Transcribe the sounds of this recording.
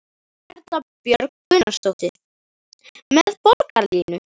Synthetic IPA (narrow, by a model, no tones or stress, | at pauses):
ɛɾt̪lapjœɾk̚kʏnast̪ɔwht̪ɪ | mɛðpoɾkaɾliːnʏ